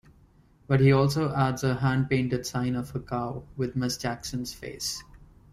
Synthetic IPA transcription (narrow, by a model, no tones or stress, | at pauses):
b̥ʌʈhiːɔːlsoːʔæɖzəɦæ̃ɳɖ̚pẽɪ̃ɳʈəɖsãɪ̃nɔʋəkaʊʋɪd̪̚mɪsd͡ʒæksə̃nz̥fḛːs